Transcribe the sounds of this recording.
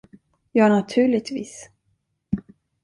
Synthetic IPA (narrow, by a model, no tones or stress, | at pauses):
jɑːɳat̪ʰʉ̟ːɭɪt̪vḭːs